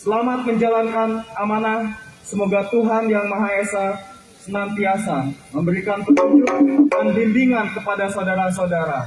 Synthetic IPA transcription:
səlamat̪̚məɲd͡ʒalankanamanasəmoɡat̪uɦanjaŋmaɦaesa | sənant̪iasaməmbəɾikanpət̪uɲd͡ʒuk̚dənbindiŋankəpadasaodaɾas̬aodaɾa

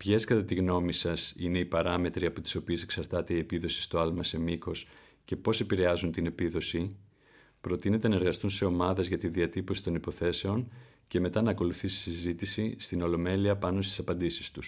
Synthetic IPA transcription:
pçe̞skɐt̪ɐt̪iɣno̞misɐsine̞ipɐɾɐme̞t̪ɾiɐpot̪i̥so̞pie̞se̞ksɐɾt̪ɐt̪e̞ie̞piðo̞si̥st̪oɐlmɐse̞miko̞s | ce̞po̞se̞piɾe̞ɐzunt̪ine̞piðo̞si | pɾo̞t̪ine̞t̪e̞nɐe̞ɾɣɐst̪unse̞o̞mɐðe̞zʝɐt̪iðiɐt̪ipo̞si̥t̪o̞nipo̞θe̞se̞o̞n | ce̞me̞t̪ɐnɐːko̞luθisi̥sizit̪isist̪ino̞lo̞me̞liɐpɐno̞st̪i̥sɐpɐnd̪isi̥st̪us

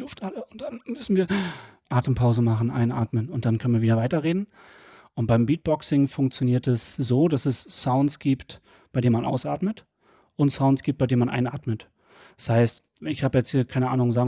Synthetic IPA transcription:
lʊftʔaləʊnt̚d̥anmʏsn̩viːɐ | ʔaːtəm̩pʰaʊzəmaχn̩ʔa̰ɪnʔaːtmənʊntd̥ankʰœnənviːɐviːdɐvaɪtɐʁeːdn̩ | ʔʊnt̚b̥aɪmbiːt̚b̥ɔksɪŋfʊŋk̚t͡sjoniːɐtɛsz̥oːdasɛsːaʊntsɡ̥iːpt | b̥aɪeːnmanʔa̰ʊsʔa̰ːtmət | ʔʊntsaʊntsɡ̥iːp̚t̚b̥aɪdeːnmanʔa̰ɪnaːtmət | ɛ̥shaɪst | ɪçhaːbəjɛt͡shiːɐkʰaɪnəʔaːnʊŋzaːɡ

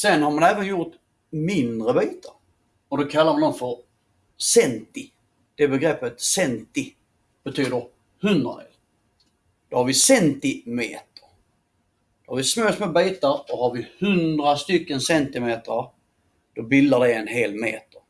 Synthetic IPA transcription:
sɛnhaɾmanæːvənjʊɾt̪ | mɪnd̪ɾəbiːt̪ʰaɾ | ɔd̪ɔkʰalːaɾmand̪ɔmfœɾ | sɛnt̪ɪ | d̪̥ɛbɛɡɾɛpːət̪sɛnt̪ɪ | b̥ɛt̪ʰyːd̪əɾ | hɵnd̪ɾa̰mḛːl | d̪̥ɔhaɾvɪsɛnt̪ɪmḛːt̪ə̥ɾ | d̪ɔhavɪsmøːsmɛbiːt̪aɾdɔhaɾvɪhɵnd̪ɾast̪ʏkːənsɛnt̪ɪmeːt̪ə | d̪̥ɔbɪld̪aɖɛɛnɦeːlmḛːt̪ə̥ɾ

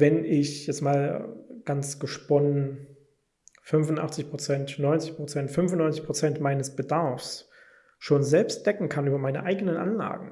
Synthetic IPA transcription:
vɛnɪçjɛt͡stmaːlɡ̥ant͡sɡ̥əʃpɔnən | fʏnvʊntʔa̰χt͡sɪçpʁ̥ot͡sɛntnɔʏnt͡sɪçpʁ̥ot͡sɛntfʏnvʊnːɔʏnt͡sɪçpʁ̥ot͡sɛntmaɪnəsb̥ədaɐfs | ʃoːnzɛlpstd̥ɛkŋ̩kʰanʔyːbɐmaɪnə̰ʔaɪɡənənʔa̰nla̰ːɡŋ̩

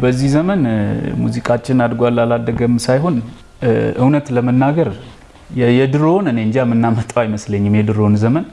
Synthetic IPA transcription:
bəzːihzəmənmṵzikʼat͡ʃːɪnad̪ɡoalalad̪ːəɡəmsajɦo̞n | ʔɨwnət̪ləmənːaɡəɾ | jjɛd̪ɨɾo̞nɨneɨɲd͡ʒamːɨnːamət̪ʼawjɪməsləɲːɪmjɛd̪ɨɾo̞nzəmən

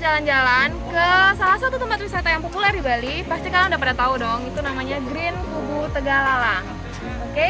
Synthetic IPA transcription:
d͡ʒaland͡ʒalankəsalasat̪ut̪əmpat̪̚risat̪ajaŋpopulɛrdibalipast̪ikalaudapadat̪audɔŋit̪unamaɲaɡɾɪnkubut̪əɡalalah | ka

